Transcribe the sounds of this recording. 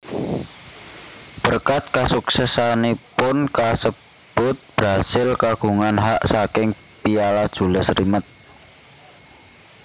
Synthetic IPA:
b̥ərkat̪̚kasuksɛsanipʊnkasə | b̥ʊt̪̚b̥ɾasɪlkaɡ̥ṳŋanɦaʔsakɪŋ | pijalad̥ʒ̥ṳləsɾimət̪̚

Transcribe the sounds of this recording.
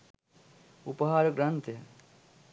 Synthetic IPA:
upɐɦaːɾɡɾɐnt̪jə

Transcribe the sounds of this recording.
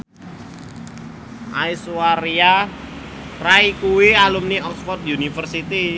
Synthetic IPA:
ʔaisuaɾia | raikuwialumniɔksfɔrt̪̚junifərsit̪i

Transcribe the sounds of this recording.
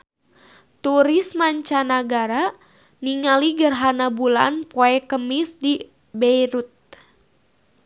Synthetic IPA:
t̪uɾismaɲt͡ʃanaɡaɾa | niŋaliɡərɦanabula̰npɔɛkəmisdi | bɛiɾut̪̚

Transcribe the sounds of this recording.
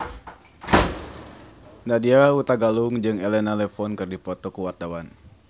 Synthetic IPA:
nadiaut̪aɡaluŋd͡ʒɨŋelɛnalɛfɔnkɨrdipɔt̪ɔkuwart̪awan

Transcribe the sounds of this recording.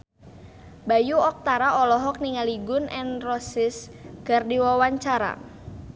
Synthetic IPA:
bajuɔk̚t̪aɾaʔɔlɔɦɔk̚niŋaliɡʊnʔɛnrɔsɪs | ɡ̥a̤rdiwawaɲt͡ʃaɾa̰

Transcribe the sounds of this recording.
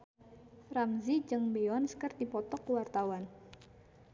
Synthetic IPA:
framzid͡ʒɨŋbeɔnsə̥kərt̪ipɔt̪ɔkːəwart̪awan

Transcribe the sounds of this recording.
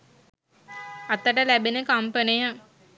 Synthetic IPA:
at̪əʈəlæbenəkampənija

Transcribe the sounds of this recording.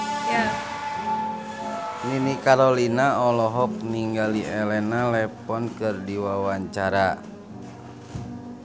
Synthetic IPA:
ja | ninikaɾolinaɔlɔɦɔk̚niŋɡaliʔɛlɛnalɛpɔnkɨrdiwawaɲt͡ʃaɾa

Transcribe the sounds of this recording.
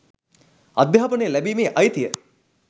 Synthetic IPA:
ɐd̪jaɦɐpənejəlæbiːmeːʔɐjt̪ijə

